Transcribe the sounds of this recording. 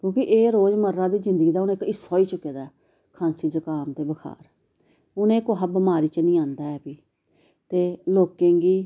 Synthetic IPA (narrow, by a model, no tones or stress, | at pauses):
kjõːkɪʔeːɾoːzməɾːãːd̪iːzɪ̃nd̪əɡiːd̪aːʊnẽːkɪsːoːiːt͡ʃʊkːeːd̪aː | kʰãːnsiːzəkaːmt̪eːbəkʰa̰ːɾ | ʊnẽːkoɦəbəmaːɾiːt͡ʃənĩːãːnd̪aːɛːpiː | t̪eːloːkẽːɡiː